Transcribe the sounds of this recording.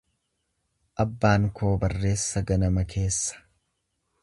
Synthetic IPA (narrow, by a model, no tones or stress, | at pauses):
ʔɐbːaːŋkʰo̞ːbɐrːe̞ːsːɐɡɐnɐmɐkʰe̞ːsːɐ̥